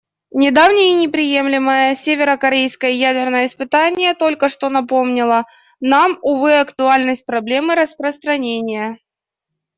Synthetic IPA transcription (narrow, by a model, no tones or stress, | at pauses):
nʲɪd̪avnʲɪjənʲɪpɾʲɪjemlʲɪməjəsʲevʲɪɾəkɐɾʲejskəjəjædʲɪrnəjəɪspɨt̪anʲɪjət̪o̞lʲkəʂt̪o̞nɐpo̞mnʲɪlˠə | namʊvɨɐkt̪ʊalʲnəsʲt̚ʲpɾɐblʲe̞mɨɾəspɾəst̪ɾɐnʲenʲɪjə